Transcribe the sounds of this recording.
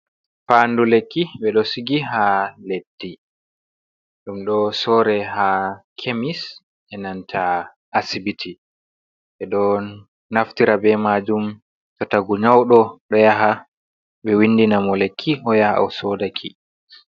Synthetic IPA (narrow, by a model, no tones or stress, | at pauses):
fandulekːiɓɛɗɔsiɡiɦaledːi | ɗumɗɔsɔːɾɛɦakʰemis | ʔɛnantʰa | ʔːsibitʰi | ɓɛɗɔ | naftiɾabɛmad͡ʒum | tɔtaɡuɲawɗɔɗɔjaɦa | ɓɛwinːdinamɔlekʰːiʔɔjahaa̰wsɔdakʰi